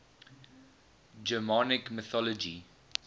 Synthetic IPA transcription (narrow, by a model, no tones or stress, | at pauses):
d͡ʒɛmɔnɪkmɪθɔlɔd͡ʒi